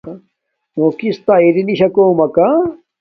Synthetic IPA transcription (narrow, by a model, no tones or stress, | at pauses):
mokist̪aiɾiniɕɐkomɐka